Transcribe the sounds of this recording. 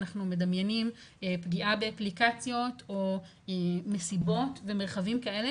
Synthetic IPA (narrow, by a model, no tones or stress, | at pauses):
naχnume̞damjenimepɡiʔabe̞aplikat͡sjo̞to̞ | eme̞sibo̞tve̞me̞ʁ̞χavimkae̞le